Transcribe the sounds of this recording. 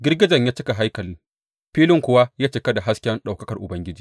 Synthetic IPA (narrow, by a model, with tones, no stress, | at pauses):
ɡʲɪ˦rɡʲɪ˦d͡ʒɐ˨ɲjaː˦t͡ʃɪ˦ka˨ɦa˦jkɐ˨lɪ˦ŋ | ɸiː˦lɪ˦ŋkʷʊ˦wa˦jaː˦t͡ʃɪ˨kɐ˦da˨ɦa˦skʲɛ˦nɗa˨wkɐ˦kɐ˨rʔʊ˨bɐ˦ŋɡʲɪ˦d͡ʒiː˦˨